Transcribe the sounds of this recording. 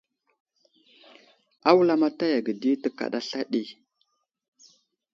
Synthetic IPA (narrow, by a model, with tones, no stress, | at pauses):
a˦wla˦ma˦ta˦ja˨ɡə˨di˦tə˦ka̰˨ɗa˦ɬa˦ɗi˦